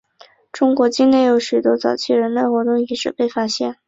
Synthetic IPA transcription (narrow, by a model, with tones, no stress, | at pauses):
ʈ͡ʂʊ˥ŋkwɔ˧˥t͡ɕi˥ŋne˥˩ɪjo˧˥ʊɕy˨˩t̪wɔ˥t͡sɑ˨˩ʊt͡ɕʰi˥˩ɻə˧˥nle˥˩ɪxwɔ˧˥t̪ʊ˥˩ŋi˧˥ʂɻ̩˨˩pe˥˩ɪfa˥ɕjɛ̰˥˩n